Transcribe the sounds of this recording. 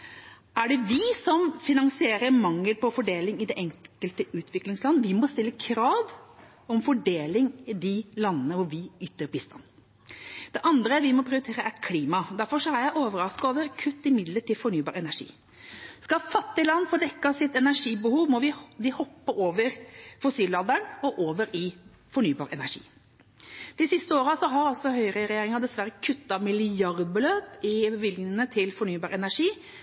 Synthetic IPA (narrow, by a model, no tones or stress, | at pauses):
æɖɛʋɪsɔmfɪnɑnsɪeːɾəɾmɑŋːəlpɔfɔɖeːlɪŋɪd̪ɛʔɛŋkəlt̪əʔʉːt̪ʰʋɪklɪŋslɑnːəʋɪmɔst̪ɪlːəkʰɾɑːʋ | ɔmfɔɖeːlɪŋɪd̪ɪlɑnːənəʋʊɾʋɪʏt̪ːəɾbɪst̪ɑ̰nː | d̪̥ɛʔɑnd̪ɾəɾʋɪmɔpʰɾɪʊɾɪt̪ʰeːɾəʔæɾkʰliːmɑd̪æɾfɔʂɔæɾjæɪʔoːʋəɾɑskoːʋəɾkʰʉt̪ːɪmɪd̪ləʈʰɪfɔɳyːbɑ̰ːɾɛnæʂḭː | skɑfɑt̪ːɪlɑnːfɔd̪ɛkːɑsɪt̪ɛnæʂiːbəhuːʋmɔʋɪd̪ɪhɔpːəʔoːʋəɾfɔsiːlːɑːd̪æɳɔʔoːʋəɾɪ | fɔɳyːbɑ̰ːɾɛ̰næʂḭː | d̪̥ɪsɪst̪əoːɾəsɔɦɑɾɑlsɔhœʏɾəɾɛjeːɾɪŋɑd̪ɛsʋæɾəkʰʉt̪ːɑmɪlɪjɑɾd̪̚bəløːpɪbəʋɪlɡnɪənət̪ʰɪlfɔɳyːbɑːɾɛnæʂiː